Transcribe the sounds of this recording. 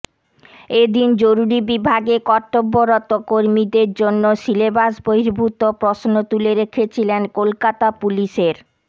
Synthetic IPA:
ed̪ind͡ʑoɾuɾibibʱaɡekɔʈːobːoɾɔt̪okoɾmid̪eɾd͡ʑonːoʃilebasboɦiɾbʱut̪opɾoʃnot̪uleɾekʰet͡ɕʰilenkolkat̪apuliʃeɾ

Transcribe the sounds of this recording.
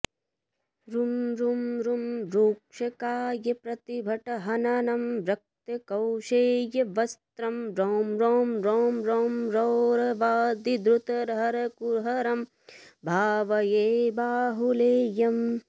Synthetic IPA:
ɾumɾumɾumɾuːkʂɐkaːjɐpɾɐt̪ibʱɐʈɐɦɐnɐnɐmɾɐk̚t̪ɐkɐwʃeːjɐʋɐst̪ɾɐmɾoːmɾoːmɾoːmɾoːmɾowɾɐʋaːd̪id̪ɾut̪ɐɾɦɐɾɐkuɾɦɐɾɐm | bʱaːʋɐjeːbaːɦuleːjɐm

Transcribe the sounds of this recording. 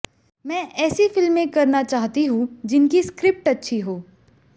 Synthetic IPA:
mɛ̃ːʔɛːsifɪlmːẽkɐɾnat͡ʃaːɦt̪iɦũd͡ʒɪnkiskɾɪp̚ʈɐtːʃʰiɦoː

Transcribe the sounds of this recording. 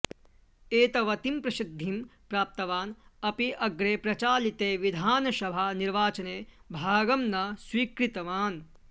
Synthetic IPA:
eːt̪ɐʋɐt̪impɾɐsid̪ʱːimpɾaːp̚t̪ɐʋaːnɐpiʔɐɡɾeːpɾɐt͡ʃaːlit̪eːʋid̪ʱaːnɐʃɐbʱaniɾʋaːt͡ʃɐneːbʱaːɡɐmnɐswiːkɾit̪ɐʋaːn

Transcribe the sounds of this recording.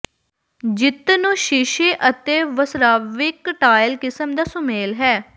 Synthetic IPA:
d͡ʒɪt̪nũːʃɪʃeːʔət̪eːʋəsɾaːʋɪkʈaːɪlkɪsəmd̪aːsʊmeːlɦɛː

